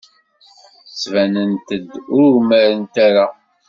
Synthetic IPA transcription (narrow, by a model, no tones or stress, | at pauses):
t͡sːvænənt̪əd̪ʊɾməɾənt̪æɾa